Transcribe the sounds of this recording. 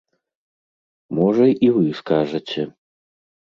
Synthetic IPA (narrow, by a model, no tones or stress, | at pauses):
mɔʐɐivɨskaʐɐt͡sʲɛ